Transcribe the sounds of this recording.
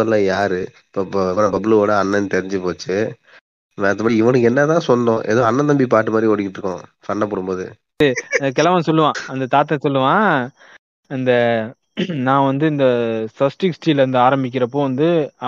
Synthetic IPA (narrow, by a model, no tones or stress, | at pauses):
ɐlːãjaːɾɯ | pːoːnɐbɐbɪlɯoːɽɐɐnːɐnːt̪ɛɾɪɲd͡ʒɯpoːt͡ʃːɯ | ʋeɐt̪̬ːɐmɐːɾiɪʋɐɳɯkːɛnːɐt̪ãːsɔnɖõːʔɛ̰ðoːɐnːɐt̪ɐmbip̬aːʈːɯmaːd̪ɾiɔɽɪkːɪʈːɾɯkːʊ̃ːsɐnːɐpːɔɽɯmboːðɯ̰ | ɯɐk̬ɛlɐʋɐnsɔlːɯʋãːɐnd̪ɐt̪aːt̪̬ːɛ̃sɔlːɯʋãː | ɪnd̪ɐ | nãːʋɐnd̪ɯɪnd̪ɐsɐsʈɪksʈiːlɐnd̪ɯaːɾɐmbɪk̬ʲːɪɾɐpːoːʋɐnd̪ɯ